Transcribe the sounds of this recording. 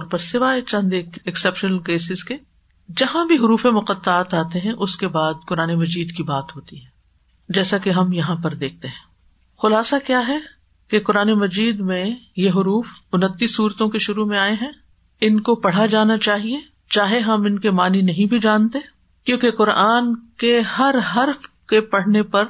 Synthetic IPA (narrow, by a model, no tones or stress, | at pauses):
ɔɾpɐɾsɪʋaːet͡ʃɐ̃nd̪eːkɪksɛpʃənəlkeːsɪzke | d͡ʒɐɦãbʱiɦʊɾuːfemʊqət̪ːaːt̪aːt̪eɦɛ̃ʔʊskebaːd̪̚kʊɾaːnemɐd͡ʒiːd̪kibaːt̪ɦoːt̪iɦɛ̃ː | d͡ʒɛːsakeɦɐmjɐɦãpɐɾd̪eːk̚ʰt̪eɦɛ̃ː | xʊlaːsakjaːɦɛ | kekʊɾaːnemɐd͡ʒiːd̪mẽjeɦʊɾuːfʊnət̪ːisuːɾt̪õkeʃʊɾumẽaːeɦɛ̃ː | ɪnkopɐɽ̤ad͡ʒaːnat͡ʃaːɦie | t͡ʃaːɦeɦɐmɪnkemaːninɐɦĩbʱid͡ʒaːnt̪e | kjõːkeqʊɾaːnkeɦɐɾɦɐɾf | kepɐɽ̤nepɐɾ